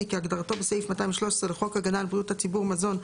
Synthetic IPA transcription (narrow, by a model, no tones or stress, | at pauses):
kɪaɡdaʁtobɪseɪfmataɪmʃlɔʃsʁɛlɪχɔkhaɡanalbʁiuthat͡sibuʁmazɔn